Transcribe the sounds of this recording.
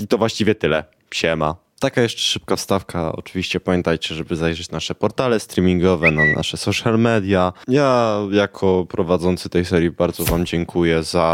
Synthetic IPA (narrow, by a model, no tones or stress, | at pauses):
it̪ɔvwaɕt͡ɕivʲjɛt̪ɘlɛ | pɕɛma̰ | t̪akajɛʂt͡ʂɛ̥ʂɘp̚kafst̪afkaɔ̰t͡ʂɨvʲiɕt͡ɕɛpamʲjɛnt̪ajt͡ɕɛʐɛbɘzajʐɛt͡ɕnaʂɛpɔɾt̪alɛst̪ɾʲimʲiŋɡɔvɛnana̰ʂɛsɔʂjalmɛd̪ʲjajajakʰɔpɾɔvad̪zɔnt̪sɘt̪ɛjsɛɾʲjibaɾd̪zɔvamd͡ʑɛŋkʰujɛza